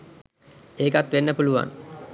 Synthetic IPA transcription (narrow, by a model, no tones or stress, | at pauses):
eːkat̪ʋenːəpuluʋa̰n